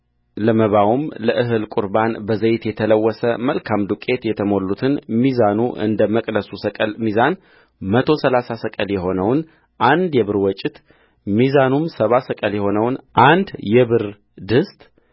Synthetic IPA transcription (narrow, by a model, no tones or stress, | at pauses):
ləməβawumləʔɨɦɨlkʼuɾbanbəzəjɪt̪jɛt̪ʰələwːɔsəməlkʰamd̪ukʼe̞t̪jɛt̪ʰəmo̞lːut̪ʰɨnmizanuʔɨ̰nd̪əməkʼd̪əsusəkʼəlmizan | mət̪ʰo̞səlasasəkʼəljɛho̞nəwn | ʔand̪jɛβɨɾwɔt͡ʃʼɪt̪ | mizanumsəβasəkʼəljɛho̞nəwnʔand̪jɛβɨɾ | d̪ɨst̪ʼ